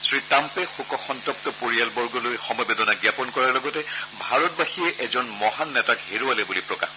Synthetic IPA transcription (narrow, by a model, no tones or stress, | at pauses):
sɹitampɛxukɔxɔntɔp̚tɔpoɹijalbɔɹɡɔlojxɔmɔjbɛdɔnaɡjapɔnkɔɹaɹlɔɡɔtɛbʱaɹɔt̚baxiɛʔɛzɔnmɔɦanːɛtakɦeɹualɛbulipɹɔka̰x